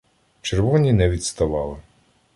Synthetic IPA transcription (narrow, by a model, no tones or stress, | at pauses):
t͡ʃerʋɔnʲinɛʋʲit̪st̪ɐʋɑlˠɪ